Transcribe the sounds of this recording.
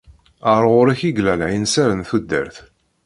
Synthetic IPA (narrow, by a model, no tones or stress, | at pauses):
əɾˤʁʊɾiçiɡlælʕinsæɾənθud̪ːə̰ɾθ